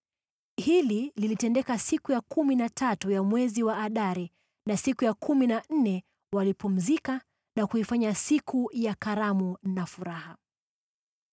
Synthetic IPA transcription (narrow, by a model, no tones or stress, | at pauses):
hilililitɛndɛkasikujakuminatʰatujamwɛziwaʔːɗaɾi | nasikujakʰuminan̩nɛ | walipum̩zika | nakuifaɲasikujakaɾamunafuɾaha